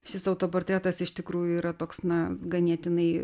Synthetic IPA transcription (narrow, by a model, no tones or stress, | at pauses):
ʃʲɪsɐʊt̪oːport̪ɾʲæːt̪ɐsɪʃt̪ʲɪkɾuːjʊiːɾɐt̪oːksnɐɡɐnʲiɛt̪ʲɪnɐɪ